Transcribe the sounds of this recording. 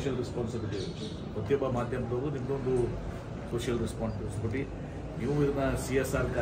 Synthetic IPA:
ʃjɐlɾɛspaːnsɐbid̪e | pɐt̪ːjɔbːɐmaːd̪ʱjɐmsɐːd̪unimɐɡond̪u | koːʂjɐlɾɛspaːnspeːskoʈːi | niːʋuiɾnɐsiesaːɾka

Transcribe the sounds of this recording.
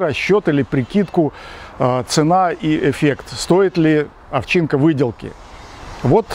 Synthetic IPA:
ɾɐɕːot̪ɨlʲɪpɾʲɪkʲit̪kʊ | t̪sɨnaiɪfʲekt̪st̪o̞ɪt̪lʲɪ | ɐft͡ɕinkəvɨdʲɪlˠkʲɪ̰ | vo̞t̪

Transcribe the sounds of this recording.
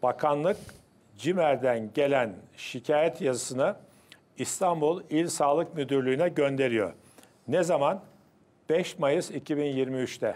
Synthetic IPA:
b̥akʰanlˠɯk | d͡ʒimæɾd̪ænɟe̞lʲænʃicʰaːjɛt̪jazɯsɯnɯ | ist̪ʰambulˠilʲsaːlˠɯkmyd̪yɾlʲyːnɛɟønd̪e̞ɾijo̰ɾ | nɛzaman | b̥ɛʃmajɯzicʰibinjiɾmiyt͡ʃt̪ʰɛ

